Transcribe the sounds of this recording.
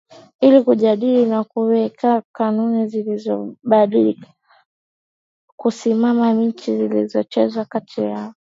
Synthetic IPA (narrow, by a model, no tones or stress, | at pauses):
ilikuʄaɗilinakuwɛkakanunizilizɔɓaɗilikḁ | kusimamaɲ̩t͡ʃizilizɔt͡ʃɛzwakatʰija